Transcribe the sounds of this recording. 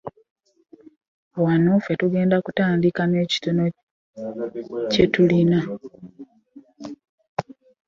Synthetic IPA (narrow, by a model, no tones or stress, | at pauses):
wanofe̞tuɡe̞ːndakutaːndikane̞ːci̥tono̞ | ce̞tulina